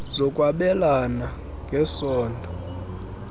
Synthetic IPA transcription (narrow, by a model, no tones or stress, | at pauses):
zɔkʼwaɓɛlana | ŋɡʱɛsɔːndʱɔ